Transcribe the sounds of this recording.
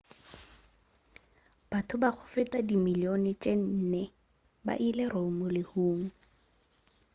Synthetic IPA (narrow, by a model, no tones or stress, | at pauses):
b̥atʰʊbak͡xʰʊ̥fɪtʼadimilionɛt͡ʃʼen̩ːnɛ | ba̰ʔilɛromʊlɪhuːŋ̩